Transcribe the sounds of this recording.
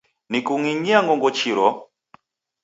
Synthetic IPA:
nikuŋiɲiaŋɡɔŋɡɔt͡ʃiɾɔ

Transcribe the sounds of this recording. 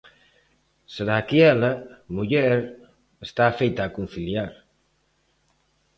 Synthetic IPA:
səɾakiɛləmuʎɛɾ | est̪afɛjt̪aːkun̟θiljaɾ

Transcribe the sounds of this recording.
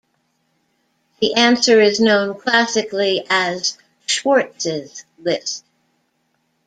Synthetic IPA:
ðiʔæ̃nsə˞ɪznõʊ̃nkʰl̥æsɨkliʔɨz̥ | ʃwɔɹtsɪz̥ | lɪst̚

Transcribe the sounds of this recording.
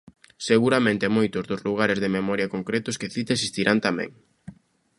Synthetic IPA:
seɣuɾamẽnt̪ɪemojt̪ʊzðʊzluɣ̞aɾɪzðememɔɾjɐkoŋkɾɛt̪ʊskeθit̪esist̪iɾʔant̪amɛ̰̃ŋ

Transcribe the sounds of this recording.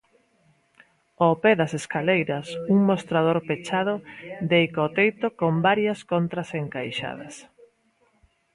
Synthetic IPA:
opɛðɐseskalejɾɐsuŋmost̪ɾað̞oɾpet͡ʃað̞ʊd̪eikot̪ejt̪okombaɾjɐskont̪ɾɐseŋkajʃa̰ðɐs

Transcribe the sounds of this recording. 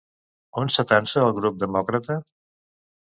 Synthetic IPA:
onsət̪ansəːlˠɣɾup̚d̪əmɔkɾət̪ə

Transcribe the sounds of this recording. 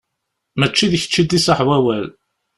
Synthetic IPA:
mət͡ʃːiðçə̥t͡ʃːid̪isəħvæwæl

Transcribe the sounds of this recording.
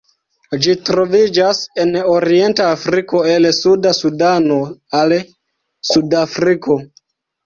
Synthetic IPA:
d͡ʒitɾo̞vid͡ʒase̞no̞ɾie̞ntaːfɾiko̞e̞lsudasudano̞al | sudafɾiko̞

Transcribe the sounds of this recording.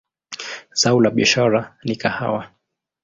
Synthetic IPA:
zaulaɓiaʃaɾanikaha̰wa

